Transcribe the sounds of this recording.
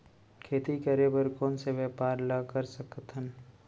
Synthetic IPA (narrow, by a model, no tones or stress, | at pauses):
kʰeːt̪ikɐɾebəɾkoːnseʋɛːpaːɾlɐkəɾsəkt̪ʰən